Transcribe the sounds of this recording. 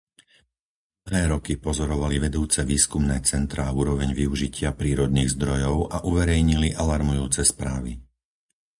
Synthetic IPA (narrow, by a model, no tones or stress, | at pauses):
ɦɛːɾɔkipɔzɔɾɔʋaliʋɛd̪uːt͡sɛʋiːskumnɛːt͡sɛnt̪ɾaːuːɾɔʋɛɲʋiuʒicɪapɾiːɾɔd̪niːɣzd̪ɾɔjɔʊaʔuʋɛɾɛjɲiliʔalaɾmujuːt͡sɛspɾaːʋi